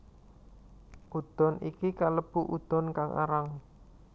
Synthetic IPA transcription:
ʔud̪̥ɔ̤nikikaləb̥uʔud̪̥ɔ̤nkaŋʔa̰ɾaŋ

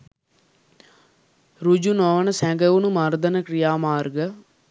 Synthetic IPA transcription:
ɾud͡ʒunɔːʋənəsɛ̃ːɡəunumaːɾd̪ənəkɾijaːmaːɾɡə

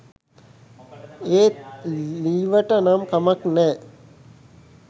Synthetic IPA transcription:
eː | liːʋəʈənamkamɐknɛː

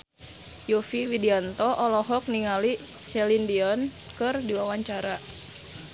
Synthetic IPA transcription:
jofiwidiant̪ɔʔɔlɔɦɔk̚niŋali | sɛlindiɔn | kɨrdiwawaɲt͡ʃaɾa

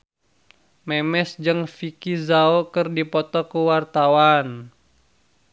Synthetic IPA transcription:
mɛmɛsd͡ʒɨŋfikizaokɨrdipɔt̪ɔkuwart̪awan

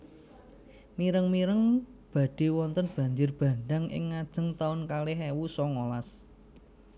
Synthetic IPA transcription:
miɾəŋmiɾəŋb̥ä̤ɖ̥e̤wɔnt̪ənb̥a̤ɲd͡ʒʊrb̥a̤ɳɖaŋʔɪ̰ŋːad̥ʒ̥ə̤ŋt̪aʊnkalɪɦewusɔŋolas

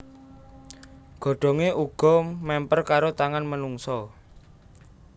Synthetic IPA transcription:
ɡ̥ɔ̤ɖ̥ɔ̤ŋeʔuɡ̥ɔ̤mɛmpərkaɾot̪aŋanmənuŋsɔ

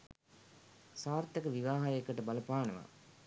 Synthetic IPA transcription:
saːɾt̪ːɐkəʋiʋaːɦajekːəʈəbɐlɐpaːnɐʋa̰

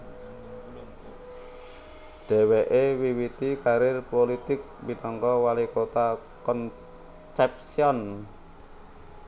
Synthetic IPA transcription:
ɖ̥ɛ̤weʔewiwit̪ikaɾɪrpolit̪ɪk̚binɔŋkɔwalikot̪a | kɔn | sɛp̚siɔn

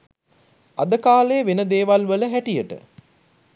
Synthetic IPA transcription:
ad̪əkaːleːʋenəd̪eːʋalʋələɦæʈijəʈə̰

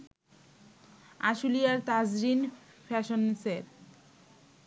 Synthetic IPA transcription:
a̰ʃuliaɾt̪azɾin | fʰɛʃonseɾ

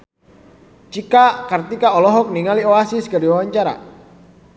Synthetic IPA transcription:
t͡ʃikakərt̪ikaɔlɔɦɔk̚niŋalioasisɡaɾiwawaɲt͡ʃaɾa̰

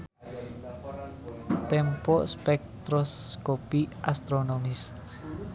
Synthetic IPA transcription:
t̪ɛmpɔʔspɛk̚t̪ɾɔskopiʔast̪ɾonomɪs

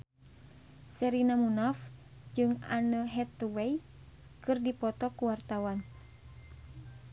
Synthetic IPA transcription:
sɛɾinamunɔf | d͡ʒɨŋanəɦɛt̪wɛj | kɨrdipɔt̪ɔkuwart̪awan

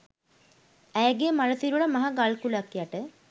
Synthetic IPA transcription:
æjɡejəmaɾəsiɾuɭamaɦaɡalkulakːjaʈə

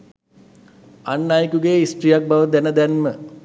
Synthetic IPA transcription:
anːaːjəkuɡejisʈɾijak̚baʋəd̪ænəd̪ænmə

